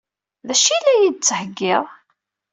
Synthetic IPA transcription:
ðæʃilæjid̪̚t͡sːəhəɡːɪʁˤ

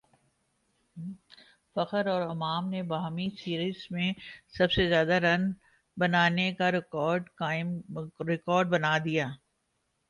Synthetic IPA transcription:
fɐqəɾɔːɾɐmaːmnebaɦmisiːɾiːzmẽsɐbsezjaːd̪aɾɐn | bɐnaːnekaɾɔːɾɖkaːɪmɾɪkɔːɾɖ̚bɐnad̪ijaː

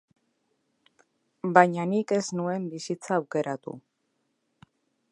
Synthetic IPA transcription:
baɲanike̞znue̞mbisit͡saːwke̞ɾat̪ṵ

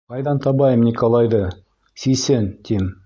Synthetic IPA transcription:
qɑjðɑnt̪ɑβɑjɤmnʲikolˠɑjðɤ | sisɘnt̪im

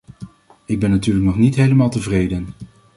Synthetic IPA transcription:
ɪɡ̚bɛnːatyːɹləknɔχnitɦejləmaːlˠtəvrejdən

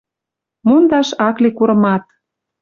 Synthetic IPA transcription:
mund̪ɑʃɑklikuɾɤ̆mɑt̪̚

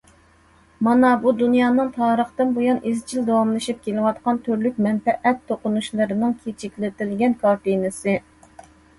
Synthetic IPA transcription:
mɑnɑbud̪unjɑːnɨŋt̪ʰɑːɾəχt̪ɨnbojɑnizt͡ʃʰild̪ɑwɑmlˠɨʃip̚kʲelɪwɑt̪qɑnt̪ʰøɾlyk̚ʲmɛnpɛʔɛt̪ʰːoqʊnuʃlˠɨɾɨnɨŋkʲʰet͡ʃʰikʲlɪt̪ɪlɡʲɛnkʰɑɾt̪ɨjnɨsɨ

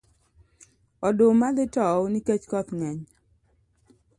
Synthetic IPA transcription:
ɔdomalɪtɔniket͡ʃkɔt̪ŋɛɲ

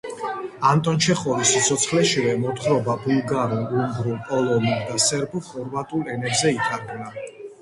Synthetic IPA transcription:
ant̪ʼɔnt͡ʃʰɛχɔɾisit̪sʰɔt̪sʰχlɛʃivɛmɔt̪ʰχɾɔbabulˠɡaɾuumɡɾupʼɔlˠɔnid̪asɛɾbuχɔɾvat̪ʼulˠɛnɛbzɛit̪ʰʼaɾɡna

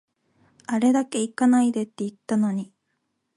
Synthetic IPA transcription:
aɾe̞d̪ake̞ikanaid̪e̞t̪ːe̞it̪ːano̞ɲ̟i

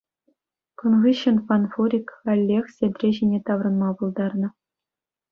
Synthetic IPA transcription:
kunʁɯɕːɘ̆nfɑnfuɾʲikɑlʲːexsʲed̪ʲrʲeʑinʲet̪ɑʋrɤ̆nmɑbulˠd̪ɑrnɤ̆

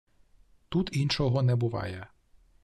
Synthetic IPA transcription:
t̪ut̪inʃɔɦɔnɛbʊʋɑ̰jɛ

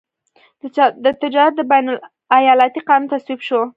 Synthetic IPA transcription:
d̪ət̪ɪd͡ʒɑɾat̪̚d̪əbajnʊl | ajɑlat̪iqɑnunt̪aswibʃo

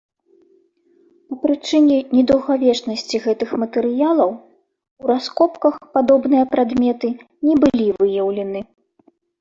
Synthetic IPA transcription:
pɐpɾɨt͡ʂɨnʲɛnʲɛd̪ɐwɣavʲɛt͡ʂnɐsʲt͡sʲiɣɛt̪ɨxmɐt̪ɛɾɨjalˠɐw | uɾaskɔpkɐxpad̪ɔbnɨjɐpɾad̪mʲɛt̪ɨ | nʲɛbɨlʲivɨjɐwlʲɛnɨ

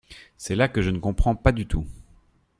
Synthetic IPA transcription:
sɛlakəʒənəkɔ̃pχɑ̃pad̪yt̪u

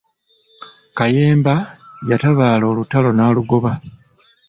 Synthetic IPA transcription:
kaje̞ːmbajataβaːlo̞ːlutalo̞naːluɡo̞βa

